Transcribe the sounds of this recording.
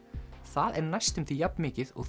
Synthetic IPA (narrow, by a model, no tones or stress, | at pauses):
θaðɛɾnajst̪ʏmt̪θʰijapnmɪːcɪðɔ̰ɣ